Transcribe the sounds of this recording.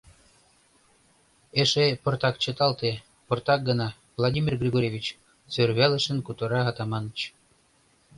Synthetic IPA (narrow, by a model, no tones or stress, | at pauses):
eʃeport̪ɑk̚t͡ɕɤ̆t̪ɑlˠt̪e | port̪ɑk̚ɡɤ̆nɑ | vlˠadʲimʲirɡrʲeɡoɾʲevʲit͡ɕ | sørβælˠə̆ʃə̆nkut̪uɾɑɦɑt̪ɑmɑnə̆t͡ɕ